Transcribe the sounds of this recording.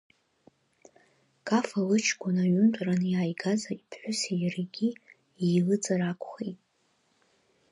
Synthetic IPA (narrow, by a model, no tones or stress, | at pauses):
kʼafalɨt͡ʃʰɡʷʊnaɥʊntʷʼranɨjaːjɡazaipʰħʷᶣʊsejrɡʲi | ilɨt͡sʼarakʷʰʼχejtʼ